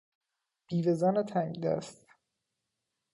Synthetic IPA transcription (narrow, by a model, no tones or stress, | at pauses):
b̥iːvezɒːnet̪ʰæmid̪æ̰st̪